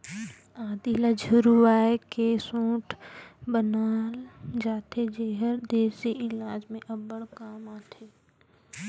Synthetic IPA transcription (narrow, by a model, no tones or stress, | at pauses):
aːd̪ilɐd͡ʒʱuɾuʋaːekesõːʈʰbənaːld͡ʒaːt̪ʰed͡ʒeːɦəɾd̪eːsiʔɪlaːd͡ʒmẽʔɐbəɽkaːmaːt̪ʰeː